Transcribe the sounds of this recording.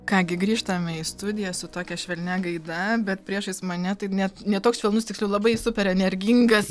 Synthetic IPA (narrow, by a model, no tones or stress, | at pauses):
kɑːɡʲɪɡɾʲiːʃt̪ɐmʲɛɪst̪ʊd̪ʲɪjɛsʊt̪oːkʲɛʃʲʋʲɛlʲnʲɛɡɐɪd̪ɐbʲɛt̪pʲɾʲiɛʃɐɪsmɐnʲɛt̪ɐɪnʲɛt̪nʲɛt̪oːksʃʲʋʲɛlˠnʊst̪ʲɪksʲlʲʊlˠɐbɐɪsʊpʲɛɾʲɛnʲɛɾʲɡʲiŋɡɐs